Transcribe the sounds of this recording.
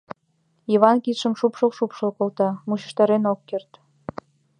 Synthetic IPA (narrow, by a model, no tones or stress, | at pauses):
iβɑnkit̪ʃəmʃupʃolʃupʃolkolt̪ɑmuɕə̥̆ʃt̪ɑɾenokːert̪